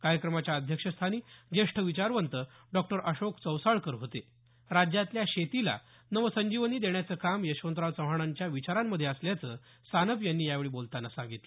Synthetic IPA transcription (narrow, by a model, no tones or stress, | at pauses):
kaɾjəkɾəmat͡ɕjaəd̪ʱjəkʂəst̪ʰaniːd͡ʑeʂʈʰəʋit͡ɕaɾʋənt̪ə | ɖɔk̚ʈəɾʔəɕokt͡səwsaɭkəɾɦot̪e | ɾad͡ʑjat̪ljaɕet̪ila̰ | nəʋəsəɲd͡ʑiʋəniːd̪eɳjat͡səːkamjəɕʋənt̪ɾaʋt͡səɦaɽ̃aɲt͡ɕjaʋit͡ɕaɾamːəd̪ʱːjeəsljat͡sə | sanəpjanːiːjaʋeɭiːbolt̪anːasãŋɡit̪lə